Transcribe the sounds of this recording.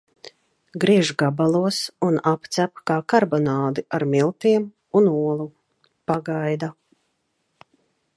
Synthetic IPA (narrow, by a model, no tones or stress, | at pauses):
ɡɾiɛʒɡabalˠuɔsunapt̪sæpkaːkaɾbɔnaːd̪iʔaɾmilˠt̪iɛm | unuɔlˠu | paɡajd̪a